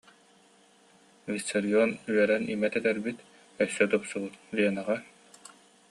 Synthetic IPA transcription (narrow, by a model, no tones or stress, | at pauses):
visɔɾiɔnyœɾɛnimɛt̪ɛt̪ɛɾbit̪ | œsːœt̪ɔpsubɯt̪̚biɛnaʁæ